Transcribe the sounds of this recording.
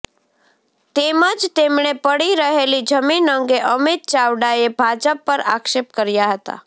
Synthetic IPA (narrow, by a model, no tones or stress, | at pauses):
t̪emãd͡ʒt̪emɳepəɽiɾəɦelid͡ʒəminəŋɡeʔəmit̪̚t͡ʃaʋɖaebʱad͡ʒəpːəɾa̰kʃepkəɾjaɦət̪a̰